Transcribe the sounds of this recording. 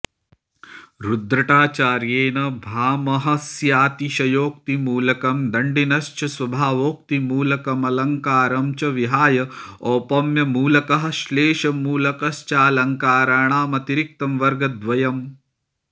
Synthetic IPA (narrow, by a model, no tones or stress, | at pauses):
ɾud̪ɾɐʈaːt͡ʃaːɾjeːnɐbʱaːmɐɦɐsjaːt̪iʃɐjoːk̚t̪imuːlɐkɐmd̪ɐɳɖinɐʃt͡ʃɐswɐbʱaːʋoːk̚t̪imuːlɐkɐmɐlɐŋkaːɾɐmt͡ʃɐʋiɦaːjɐɔːpɐmjɐmuːlɐkɐɦɐ̆ʃleːʃɐmuːlɐkɐst͡ʃaːlɐŋkaːɾaːɳaːmɐt̪iɾik̚t̪ɐmʋɐɾɡɐd̪ʋɐjɐm